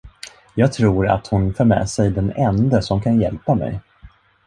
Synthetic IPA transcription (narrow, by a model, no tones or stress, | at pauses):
jɑːɡ̚t̪ʰɾuːɾa̰t̪hʊnfoːɾmɛ̰ːsɛjd̪ɛnɛnd̪əsɔmkʰanjɛlpamɛ̰j